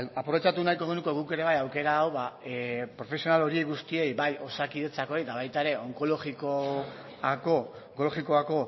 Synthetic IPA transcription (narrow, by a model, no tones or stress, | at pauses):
apɾo̞βet͡ʃat̪unajko̞ɣ̞enukoɣuke̞ɾe̞β̞ajawke̞ɾaːwβapɾo̞fe̞sio̞nalo̞ɾie̞jɣust̪ie̞jbajo̞sakiðe̞t͡sako̞ejt̪aβajt̪ae̞ɾe̞o̞ŋkoloɣiko | ako | oŋko̞lo̞ɣiko̞ako̞